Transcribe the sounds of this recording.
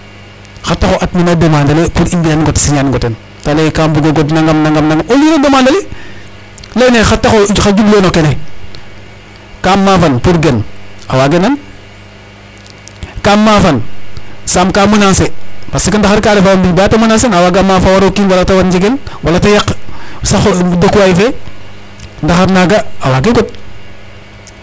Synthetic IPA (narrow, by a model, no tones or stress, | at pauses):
xatːaxoʔatminadamandalepuɾimbijanŋɡotsiɲanɡoten | talekambuɡoɡotnaŋɡamnaŋɡamnaŋɡamolinadamandale | lejnexatːaxoxad͡ʒublonokele | kamːafanpuɾɡena̰waɡenan | kamːafansamkamunansepasikindaxaɾkaɾefawambibatamunansenawaɡamːafawaɾokiːnwalatawatd͡ʒiɡelwalatajaksaxdakuwajife | ndaxaɾnaɡaawaɡikut̚